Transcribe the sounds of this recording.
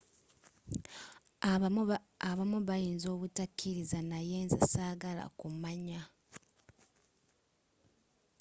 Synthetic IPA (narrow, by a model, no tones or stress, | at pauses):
aβamuβajiːnzo̞ːβutakːiɾizanajeːnza̰saːɡala̰kumaɲa